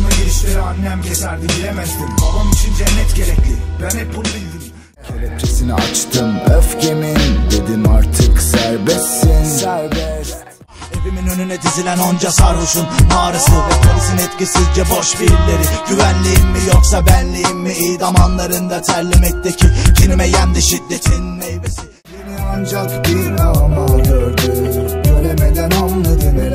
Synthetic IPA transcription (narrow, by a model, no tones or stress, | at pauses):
naɟiɾiʃlʲeɾianːɛmɟʰɛsæɾd̪imiɾemɛd̪imob̪onunit͡ʃʰind͡ʒɛnːɛt̪ɟeɾɛclʲibænɛpʰulˠbilʲd̪im | cʰeɾɛt͡ʃʰesiniʔat͡ʃt̪ʰɯmøfcʰemind̪ed̪imaɾt̪ʰɯksæɾbɛsːinæɾbɛs | epiminønynɛt̪ʰizilʲænond͡ʒasaɾvɯʃunmaːɾɯsɯkʰalɯzɯnɛt̪cisizd͡ʒɛbo̞ʃbiɾlʲeɾiɟyvænlʲijimmijoksabænlʲijimːiiːd̪amanlˠaɾɯnd̪at̪ʰæɾlʲːimɛc̚t̪ecʰiɟinimɛjænd̪iʃid̪ːet̪ʰinːejbesi | niand͡ʒakbiɾmajøɾd̪ɯønemɛd̪ænanad̪ɯ